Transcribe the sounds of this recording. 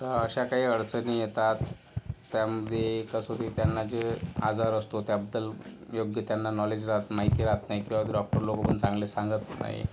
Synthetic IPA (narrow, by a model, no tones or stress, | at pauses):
t̪əɾəɕakaɦiːəɽt͡sənijet̪at̪ː | jaməd̪ʱjeːkasot̪it̪janːad͡ʑea̰d͡zaɾəst̪ot̪jabəd̪ːəljoɡjət̪janːanɔled͡ʑɾat̪majkiɾat̪naɦikĩw̃ʋaɖɔk̚ʈəɾlokəpəɳt͡sãŋɡlesãŋɡət̪na̰ɦḭ